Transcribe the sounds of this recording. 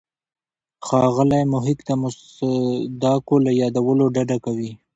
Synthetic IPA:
xɑɣəlajmʊɦɪkt̪amʊs | d̪ɑkolajɑd̪awəloɖaɖakawi

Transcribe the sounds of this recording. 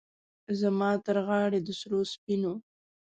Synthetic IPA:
zamɑt̪əɾɣɑɽed̪əsɾospino

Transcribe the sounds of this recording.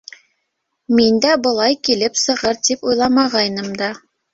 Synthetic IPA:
mind̪æbɤ̆lˠɑjkilɘpsɤ̆ʁɤɾt̪ipujlˠɑmɑʁɑjnɤmd̪ɑ

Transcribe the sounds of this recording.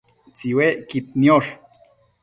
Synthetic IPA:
t͡siweʔkit̪̚nioʂ

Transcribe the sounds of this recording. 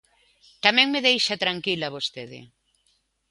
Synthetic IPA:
t̪amɛ̃ŋmeðejʃat̪ɾaŋkilaβost̪eðɪ̰

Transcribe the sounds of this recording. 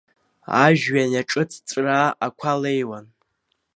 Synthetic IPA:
a̰ʒᶣɥanjaʈ͡ʂʼɨt͡sʰt͡sʷʼraːʔakʷʰalejwan

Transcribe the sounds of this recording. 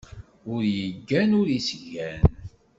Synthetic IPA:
ʊɾjəɡːænʊɾisʝæn

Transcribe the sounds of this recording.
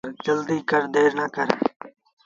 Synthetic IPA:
ɾd͡ʒəld̪iːkəɾd̪eːɾnaːkəɾḛː

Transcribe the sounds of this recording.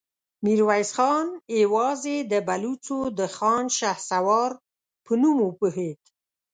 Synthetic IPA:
miɾwajsxɑnewɑzed̪əbalut͡sod̪əxɑnʃahsawɑɾ | pənumopəhet̪

